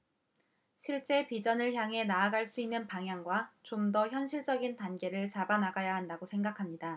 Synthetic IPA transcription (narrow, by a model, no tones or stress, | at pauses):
ɕʰiɭt͡ɕ͈e̞pid͡ʑʌnɯɭçjaŋɦe̞naːɡaɭs͈uinːɯnpaŋɦjaŋɡwat͡ɕomdʌçjʌnɕʰiɭt͡ɕ͈ʌɡintanɡe̞ɾɯɭt͡ɕabanaɡajaɦandaɡosʰe̞ŋɡakʰamɲida